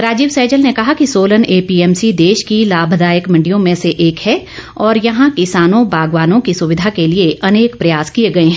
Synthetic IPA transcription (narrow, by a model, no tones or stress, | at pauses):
ɾaːd͡ʒiːʋsɛːd͡ʒəlnekɐɦakisoːləneːpiɛːmsid̪eːʃkilaːbʱd̪aːjəkmɐ̃ɳɖijõmẽseʔeːkhɛ | ɔːɾjɐɦãkɪsaːnõbaːɡʋaːnõkisʊʋɪd̪ʱakelieɐneːkpɾɐjaːskieɡɐeɦɛ̃ː